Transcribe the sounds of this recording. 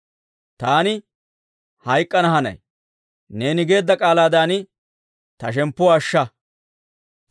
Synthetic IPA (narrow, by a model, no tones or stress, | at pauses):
t̪aːnɪ | hɐjkʼːɐnɐɦɐnɐ̰j | ne̞ːnɪɡe̞ːd̪ːɐkʼaːlaːd̪aːnɪ | t̪ɐʃ̬ɛmpːʊwɐʃːɐ